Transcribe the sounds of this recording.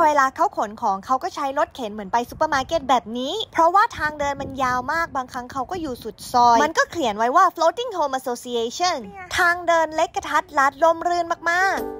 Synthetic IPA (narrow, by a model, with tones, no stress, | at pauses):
weː˧laː˧kʰa˦˥wkʰo˩˦nkʰɔː˩˦ŋkʰa˦˥wkɔː˥˩t͡ɕʰa˦˥jɾo˦˥t̪̚kʰe˩˦nmɯ˩˦ənpa˧jsu˧˦pːəː˧maː˧keː˧˥˩t̪̚bɛː˨˩p̚niː˦˥pʰɾɔ˦˥waː˥˩t̪ʰaː˧ŋdɤː˧nma˧njaː˧wmaː˥˩k̚baː˧ŋkʰɾa˦˥ŋkʰa˦˥wkɔː˥˩juː˨˩su˨˩t̪̚sɔː˧jma˧nkɔː˥˩kʰli˨˩˦ənwa˦˥jwaː˥˩floː˧˥t̪i˥˩ŋhoː˧mʔa˧soː˧si˧eː˧t͡ɕʰɔ˥˩nt̪ʰaː˧ŋdɤː˧nle˦˥kːa˧t̪ʰa˦˥t̪̚la˦˥t̪̚lo˧mɾɯː˧nmaː˨˩k̚maː˥˩k̚